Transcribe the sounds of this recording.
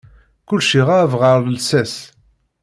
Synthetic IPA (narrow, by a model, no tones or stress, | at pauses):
kʊlːʃiʁavʁəɾˤləlsæs